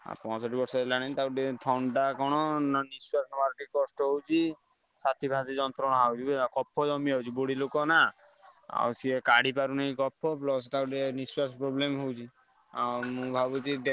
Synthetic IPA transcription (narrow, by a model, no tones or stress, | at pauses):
a̰pɔ̃ɔsɔʈibɔɾsɔelaɽ̃et̪auʈet̪ʰɔɳɖakɔɽ̃ɔnniswasɔmaɾʈikɔsʈɔɦowt͡ʃʰi | sat̪ʰibʱad̪id͡ʒɔnt̪ɾɔñɔɦawt͡ʃʰibekɔpʰːɔd͡ʒɔmiɦawt͡ʃʰiboɽilokɔna | a̰wsiekaɽ̤ip̬aɾunaĩkɔpʰːɔplɔst̪auʈeniswasɔpɾoblemɦowt͡ʃʰi | a̰wmũbʱabut͡ʃid̪e